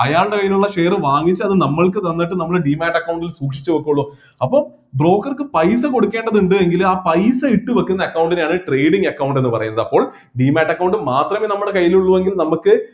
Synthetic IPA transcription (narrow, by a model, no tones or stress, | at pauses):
ɐjaːɭɖekɐjːinuɭːɐʂe̞ːrɨʋaːŋːit͡ɕːɨɐðɨnɐmːɐɭkɨt̪ɐnːiʈːɨnɐmːɐɭeɖiːmaːʈːɐkːɐwuɳɖilsuːkʂit͡ɕːɨʋɐkːumuɭːoː | ɐpːo̞ː | bro̞ːkːɐrkɨpɐjsɐko̞ɽukːe̞ːɳɖɐðuɳɖɨeŋɡilaːpɐjsɐiʈːɨʋɐkːunːɐkːɐwɳɖinaːɳɨʈre̞jɽiŋɡɐkːɐwɳɖenːɨpɐrɐ̰junːɐðɐpːo̞ːɭ | ɖiːmaːʈːɐkːɐwuɳɖɨmaːt̪rɐmeːnɐmːuɽe̞kɐjːiluɭːuʋeŋɡilnɐmukːɨ